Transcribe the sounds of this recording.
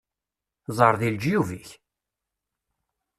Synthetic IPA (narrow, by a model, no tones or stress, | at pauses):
zˤəɾˤðild͡ʒjuviç